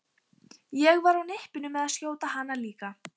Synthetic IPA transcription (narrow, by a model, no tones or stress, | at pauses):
jɛɣvaɾawnɪhpɪnʏmɛðaðskjoːwt̪aɦanːaliːka